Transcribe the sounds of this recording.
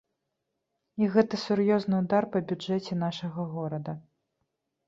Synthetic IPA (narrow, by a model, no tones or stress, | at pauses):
iɣɛt̪ɐsurjɔznɨud̪arpɐbʲud͡ʐɛt͡sʲɛnaʂɐɣɐɣɔɾɐd̪ɐ